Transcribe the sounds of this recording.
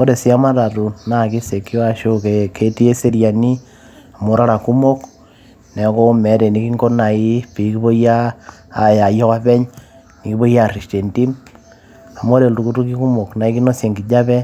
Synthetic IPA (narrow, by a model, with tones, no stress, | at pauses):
o˦ɾe˨si˦a˦ma˦ta˨tu˨na˦ki˦se˨ki˦wa˦ʃo˦keke˦ti˦e˦se˦ɾja˨ni˦ | a˨mo˨ɾa˦ɾa˨ku˦mo˦k | nɛ˨˦ko˦mɛ˨˦ɾe˨ni˦ki˦ŋko˦na˨i˦pi˨˦ki˦βo˦jaː˦˨ja˨jɔ˦ka˦pɛ˦ɲ | ni˨ki˦bo˦ja˦˨ri˨ʃte˨nti˦m | a˨mo˦ɾe˨ltu˨ku˦tu˦ki˦ku˦mo˨kna˨˦i˦ki˦no˦sje˨ŋɡi˨d͡ʒa˦pɛ˦